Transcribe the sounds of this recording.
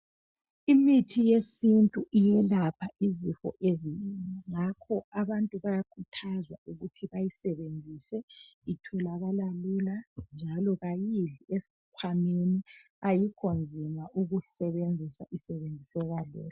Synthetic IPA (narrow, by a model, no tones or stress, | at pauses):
imitʰijesintʼuʔijɛlapʰaizifɔ̰ʔeziɲiŋɛŋakʰɔaβantʼuβajakʰutʰazwa̰uɣutʰiβajisɛβend͡zʱisɛitʰɛlaβalaluland͡ʒʱalɔɣajiɮies | kʰwameni | ajikʰɔnd͡zʱimaʔuɣusɛβend͡zʱisaʔisɛβend͡zʱisɛɣalɛ̰ːlɔ